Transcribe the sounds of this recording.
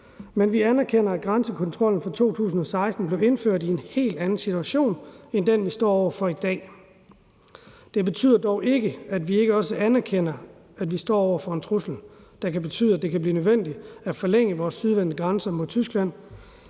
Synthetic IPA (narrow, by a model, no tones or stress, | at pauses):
menʋiænæɐkʰen̰ɐæd̚ɡ̥ʁɑnsəkʰɒ̽nt͡sʰʁɒ̽l̰n̩fɑ̈t͡sʰo̝̰ːt͡sʰṵːs̬n̩ɒ̽sɑ̈ɪsd̥n̩b̥le̝ʊe̝nføɐ̰d̥ie̝nhe̝̰ːld̥ænn̩sit͡sʰuæɕo̝̰ːnend̥enʋisd̥ɒ̰ːɒʊɐfɒ̽id̥ɛ̰ː | d̥e̝b̥e̝t͡sʰy̰ð̞̰ˠɐd̥ɒʊʔe̝ɡ̥əæd̥ʋie̝ɡ̥əɒ̽səʔænæɐkʰen̰ɐ | ædʋisd̥ɒ̰ːɒʊɐfɒ̽e̝nt͡sʰʁusl̩d̥æ̈kʰæb̥e̝t͡sʰy̰ːð̰ˠæd̥e̝kʰæb̥liːnøðˠʋen̰d̥iæfɒ̽leŋ̰əʋɒːsːyð̞ˠʋænd̥əɡ̥ʁɑnsɐmo̝ðˠt͡sʰysɡ̥læn̰